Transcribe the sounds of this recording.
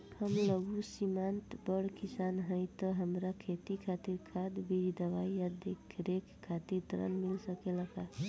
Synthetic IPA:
həmləɡusimant̪bəɽkisanɦəjt̪əɦəmɾakʰet̪ikʰat̪iɾkʰad̪bid͡ʒd̪əbaijad̪ekʰɾekʰːat̪iɾt̪ɾə̰nmilsəkeləka

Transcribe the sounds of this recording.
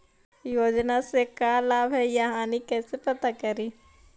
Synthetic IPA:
joːd͡ʒnasekaːlaːbɦɛjaɦãːnikɛːsepɐt̪akɐɾiː

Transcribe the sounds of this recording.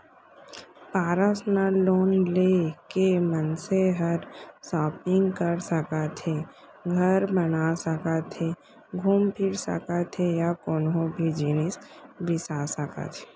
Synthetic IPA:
paːɾəsnaloːnlekemənseɦəɾsɔːpɪ̃ŋɡkəɾsəkat̪ʰe | ɡʱɐɾbənasəkat̪ʰeː | ɡʱuːmpʰɪɾsə̰kat̪ʰejakoːnɦõbʱid͡ʒiːnɪsbɪsasəka̰t̪ʰe̥ː

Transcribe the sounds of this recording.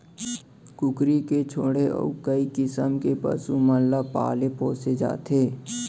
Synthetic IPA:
kʊkɾiket͡ʃʰoːɽeʔɔ̰ːʊkəikɪsəmkepə̰suməllapa̰ːlepɔ̃ːsed͡ʒa̰ːt̪ʰeː

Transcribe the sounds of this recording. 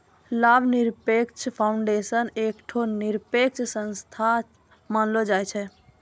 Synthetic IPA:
labʱniɾpekt͡ʃʰpʰaʊuɳɖesənekʈʰoniɾpek̚t͡ʃʰsə̃nst̪ʰa | manlɔd͡ʒajt͡ʃʰɛ

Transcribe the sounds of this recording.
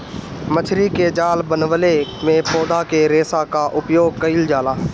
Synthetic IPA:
mət͡ʃʰɾiːkeːd͡ʒaːlbənʋəleːmẽːpʰoːd̪aːkeːɾeːsaːkaːʔʊpjoːɡ̚kəɪld͡ʒaːlaː

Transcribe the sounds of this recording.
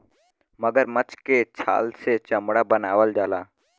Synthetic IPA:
məɡəɾmət͡ʃket͡ʃʰa̰ːlset͡ʃɐmɽabənaːʋəld͡ʒaːlaː

